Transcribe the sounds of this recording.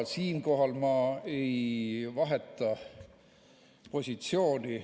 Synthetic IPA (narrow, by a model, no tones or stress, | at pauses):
siːnko̞ɦɑlmɑe̞jvɑɦe̞t̪ːˑɑ | po̞sʲit̪sio̞ːnʲi